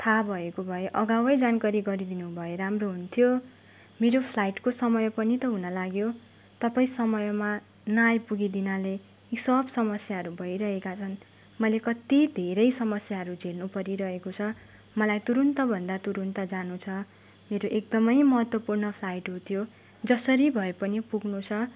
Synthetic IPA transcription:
t̪ʰabʱʌekobʱʌjeʔʌɡawʌjd͡zankaɾiɡʌɾid̪inubʱʌjeɾamroɦunt̪ʰijo | meɾopʰlajʈkosʌmʌjpʌnit̪ʌɦunʌlaɡjo | t̪ʌpaĩsʌmʌjma | najpuɡid̪inale | isʌbsʌmʌsjaɦʌɾubʱʌjɾʌɦekat͡sʰʌn | mʌjlekʌt̪id̪ʱeɾʌjsʌmʌsjaɦʌɾud͡zʱelnupʌɾiɾʌɦekot͡sʰʌ | mʌlajt̪uɾunt̪ʌbʱʌnd̪at̪uɾunt̪ʌd͡zanut͡sʰʌ | meɾoʔek̚d̪ʌmʌjmʌɦʌt̪wʌpurnʌpʰlajʈɦot̪ʰijo | d͡zʌsʌɾibʱʌepʌnipuɡnut͡sʰʌ

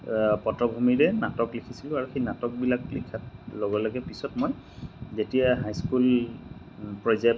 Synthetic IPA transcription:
pɔtɹɔbʱumiɹɛnatɔklikʰisilʊ̃aɹuxejnatɔk̚bilaklḭkʰatloɡɔlɔɡɛpisɔtmoj | zetijaɦajskul | pɹɔza

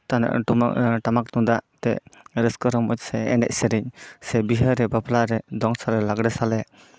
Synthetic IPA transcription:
t̪ana̰ʔm̰ʔʈamak̚t̪ud̪aʔt̪ɛʔɾəskɔɾɔmɔc̚sɛɛnɛ̰c̚səɾiɲsɛbiɦəɾɛbaplaɾɛd̪ɔŋsalɛlaɡɽɛsalɛ

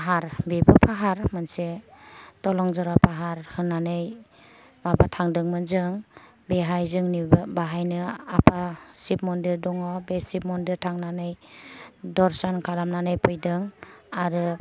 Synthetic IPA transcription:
paɦaɾbebɯpʰaɦaɾmanse | tɔlɔŋzɔɾapʰaɦaɾhɯnːanɯj | mabatʰaŋdɯŋmɯnzɯŋ | beɦajzɯŋnibaɦajnɯapʰasip̚mɔndiɾdɔŋɔbesip̚mɔndiɾtʰaŋnanɯj | dɔɾsɔnkʰalamnanɯjpʰɯjdɯŋaɾɯ

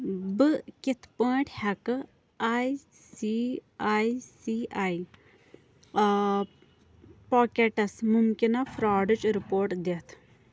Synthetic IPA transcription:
bɨkit̪ʰpəːʈʰʲhɐkɨ | aːj | siaːjsiaːj | poːkeʈɐsmumkinɐfɾaːɖɨt͡ʃɾipoːɾʈd̪eːt̪ʰ

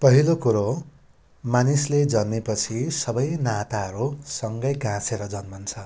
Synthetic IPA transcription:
pʌɦilokuɾo | manisled͡zʌnːepʌt͡sʰisʌbʌjnat̪aɦʌɾusʌŋɡʌjɡãseɾʌd͡zʌnmʌnt͡sʰʌ

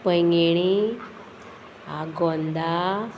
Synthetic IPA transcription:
pəjŋɡeɽ̃i | aɡɔnd̪a

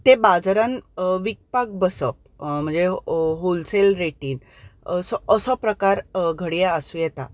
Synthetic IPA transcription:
t̪ebad͡zɾãnʋik̚pak̚bəsəp̚ | m̤əɳd͡zeɦolselɾeʈiːn | sɔʔəsɔpɾəkaɾɡʱəɽijaəsujɛt̪a̰

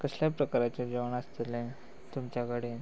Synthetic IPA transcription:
kəɕljapɾəkaɾat͡ɕad͡ʑəʋəɳəst̪elẽ | t̪umt͡ɕakəɽe

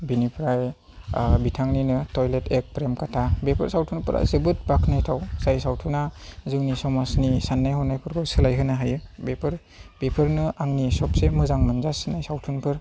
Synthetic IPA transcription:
binipʰɾaj | bitʰaŋninɯtɔjletʰek̚pɾemkatʰabepʰɯɾsawtʰunpɯɾʔa̰zɯbɯt̚bakʰnajtʰawsajsawtʰunazɯŋnisɔmasnisanːajɦɔnːajpʰɯɾkʰɔsɯlajɦɯnaɦajɯbepʰɯɾ | bepʰɯɾnɯaŋnisɔpsemɯzaŋmɯnzasnajsawtʰunpʰɯɾ

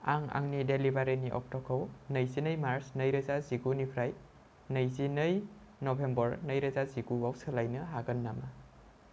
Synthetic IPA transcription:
a̰ŋa̰ŋnidelibaɾiniʔɔ̰k̚tɔkʰɔwnɐjzinəjmaɾsnɐjɾɐzaziɡunipʰɾaj | nɐjzinəj | nɔbʱembɔɾnɐjɾɐzaziɡuawsɯlajnɯɦaɡɐnːama

